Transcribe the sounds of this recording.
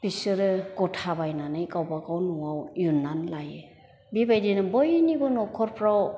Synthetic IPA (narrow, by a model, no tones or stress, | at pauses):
pisɯɾɯɡɔtʰabajnanɯjkawbaɡawnuwawjunːanlajɯ | bibajdinabɔjnibɔnɔkʰɔɾpʰɾaw